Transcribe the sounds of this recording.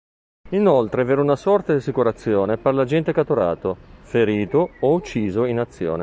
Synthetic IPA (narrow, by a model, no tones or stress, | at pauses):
inolt̪ɾeveːɾunasɔrt̪ad̪iasikuɾat̪sːjoːneperlad͡ʒɛnt̪ekat̪uɾa̰ːt̪ofeɾiːt̪oːut͡ʃːiːzoinat̪sːjo̰ːne